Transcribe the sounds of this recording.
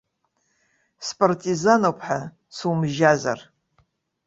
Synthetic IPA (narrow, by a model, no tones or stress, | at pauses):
spʼartʼizanowpʰħa | sumʒaza̰r